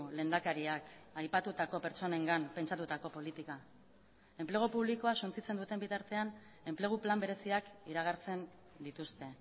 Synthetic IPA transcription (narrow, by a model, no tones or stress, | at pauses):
le̞ːnd̪akaɾiakajpat̪ut̪ako̞pe̞ɾt͡ʃo̞ne̞ŋɡampe̞nt͡ʃat̪ut̪ako̞po̞lit̪ika | e̞mple̞ɣ̞opuβ̞liko̞asunt͡sit͡se̞nd̪ut̪e̞mbit̪aɾt̪e̞an | e̞mple̞ɣ̞uplambe̞ɾe̞siakiɾaɣ̞aɾt͡se̞n | d̪it̪ust̪e̞